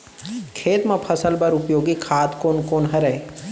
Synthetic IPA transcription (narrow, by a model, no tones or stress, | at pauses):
kʰeːt̪mãpʰɐsəlbɐɾʊpjoːɡikʰaːt̪koːnkoːnɦɐɾəe